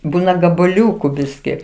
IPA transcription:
ˈbuːnɐ ɡɐbɐˈlʲuːkʊ ˈbʲɪsʲkʲɪ

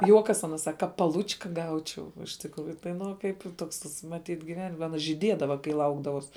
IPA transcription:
ˈjuɔkɐs ɐˈnɐ sɐk ˈkɐ pɐˈlˠʊt͡ʃkɐ ˈɡɐʊt͡ʃʲɛʊ ɪʃ tʲɪkˈruːjʊ tɐɪ ˈnʊ oː ˈkɐɪp ˈtoːks tɐs mɐˈtʲiːt ɡʲɪˈʋʲɛn ɐˈnɐ ʒʲiːˈdʲiɛdɐʋɐ kɐɪ ˈlˠɐʊɡdɐʋuɔs

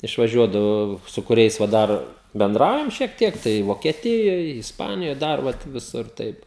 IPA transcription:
ɪʃʋɐˈʒʲuɔdɐʋoː sʊ kʊˈrʲɛɪs ʋɐ ˈdɐr bʲɛnˈdrɐʊjɛm ʃʲiɛk ˈtʲiɛk tɐɪ ʋoːkʲiɛˈtʲɪjoːj ɪsˈpɑːnʲɪjoːj ˈdɐr ʋɐt ʋʲɪˈsʊr ˈtɐɪp

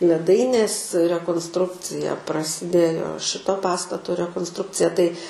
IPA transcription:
lʲɛˈdɐɪnʲeːs rʲɛkoːnsˈtrʊkt͡sʲɪjɛ prɐsʲɪˈdʲeːjoː ˈʃʲɪtoː ˈpɑːstɐtoː rʲɛkoːnsˈtrʊkt͡sʲɪjɛ tɐɪ

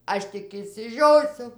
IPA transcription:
ˈɐʃ tʲɪk ɪʃʲsʲɪˈʒʲoːsʲʊ

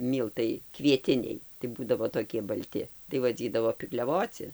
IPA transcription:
ˈmʲiːlˠtɐɪ kʋʲiɛˈtʲɪnʲɛɪ tɐɪ ˈbuːdɐʋoː toːˈkʲiɛ bɐlʲˈtʲɪ tɐɪ ʋɐˈd͡zʲiːdɐʋoː pʲɪklʲɛˈʋoːt͡sʲɪ

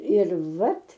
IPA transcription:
ɪr ˈʋɐt

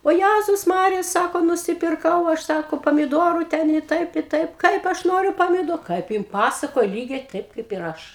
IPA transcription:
oː ˈjæzʊs ˈmɑːrʲɪjɛ ˈsɑːkoː nʊsʲɪpʲɪrˈkɐʊ ˈɐʃ ˈsɑːkoː pɐmʲɪˈdoːrʊ ˈtʲɛn ɪ ˈtɐɪp ɪ ˈtɐɪp ˈkɐɪp ˈɐʃ ˈnoːrʲʊ pɐmʲɪˈdoː kɐɪp ˈjɪn ˈpɑːsɐkoːjɛ ˈlʲiːɡʲɛɪ ˈtɐɪp kɐɪp ɪr ˈɐʃ

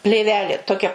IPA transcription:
pʲlʲeːˈʋʲæːlʲeː toːˈkʲɛ

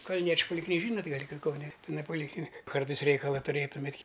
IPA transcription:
kɐlʲˈnʲiɛt͡ʃʲʊ poːlʲɪkˈlʲiː ˈʒʲiːnoːtʲ ˈɡɐlʲ kʲɪ kɐʊˈnʲɛ ɪˈnɐɪ poːlʲɪkˈlʲɪnʲɪk ˈkɐrtɐɪs ˈrʲɛɪkɐlˠɐ tʊˈrʲeːtʊmʲeːtʲ

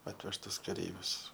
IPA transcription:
ˈɑːtʲʋʲɛʃtʊs kɐˈrʲɛɪʋʲʊs

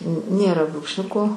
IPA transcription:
ˈnʲeːrɐ bruːkʃʲˈnʲʊkoː

